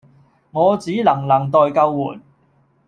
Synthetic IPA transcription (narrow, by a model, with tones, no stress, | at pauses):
ŋɔː˨˧t͡siː˨˥lɐ˨˩ŋlɐ˨˩ŋt̪ɔː˨˧jkɐ˧wːṵː˨˩n